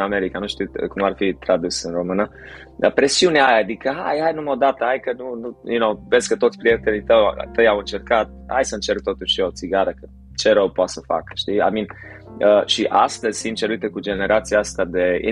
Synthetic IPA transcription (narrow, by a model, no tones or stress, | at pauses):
ame̞ɾikanuʃt̪iwkumarfit̪ɾad̪usɨnro̞mɨnə | əpɾe̞siuneajaːd̪ikəɦa̰jhajnuməod̪at̪əajkənunujunowveskət̪o̞t̪sʲpɾoje̞k̚t̪elijt̪əw̰t̪ːəjawɨnt͡ʃe̞rkat̪̚a̰jsəɨnt͡ʃe̞rk̚t̪o̞t̪uʃio̞t̪siɡaɾəkə | t͡ʃe̞ɾowpoat̪səfa̰kə̥ʃt̪ia̰min | əʃiʔast̪ez̥ʲsint̪t͡ʃeɾuit̪əkud͡ʒe̞ne̞ɾʔat̪siaast̪ead̪e̞ḭ